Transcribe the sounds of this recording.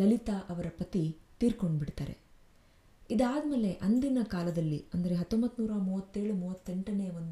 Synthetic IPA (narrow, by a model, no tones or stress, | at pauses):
lɐlit̪aʔɐʋɐɾɐpɐt̪it̪iːɾko̞ɳɖbiɽt̪aːɾḛ | id̪aːd̪ɐme̞ːle̞ʔɐnd̪inɐkaːlɐd̪ɐlːiɐnd̪ɐɾe̞ɦɐt̪ːombɐt̪ːnuːɾɐmuːʋɐt̪ːe̞ːɭumuːʋɐt̪ːe̞ɳʈɐneːʋɐnd̪u